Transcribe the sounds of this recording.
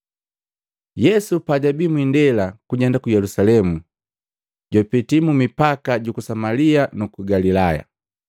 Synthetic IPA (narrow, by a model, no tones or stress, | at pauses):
jɛsupaɟabimwindɛlakuɟɛndakujɛlusalɛmu | ɟɔpitimumipakaɟukusamalianukuɡalilaja̰